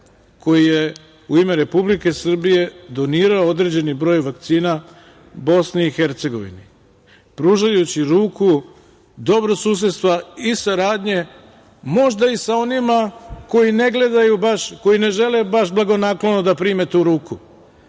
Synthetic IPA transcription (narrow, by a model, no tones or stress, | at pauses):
ko̞jije | uimeɾe̞publike̞sr̩bije̞d̪o̞niːɾaood̪ɾe̞d͡ʑe̞nibɾo̞ːjʋak̚t̪siːna | bo̞sniːxe̞ɾt̪se̞ɡo̞̰ʋḭni | pɾuːʒajut͡ɕiɾuːku | d̪o̞bɾosuːs̬et̪st̪ʋaisaɾaːd̪ɲe̞ | mo̞ʒd̪aisao̞nimako̞jine̞ɡle̞d̪ajubaʃko̞jine̞ʒe̞le̞baʃblˠaɡo̞naklo̞nod̪apɾiːmet̪uːɾuːku